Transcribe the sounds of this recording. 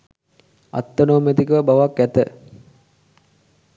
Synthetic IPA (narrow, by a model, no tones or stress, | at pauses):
a̰t̪ːənoːmet̪ikəʋəbaʋakːæt̪ə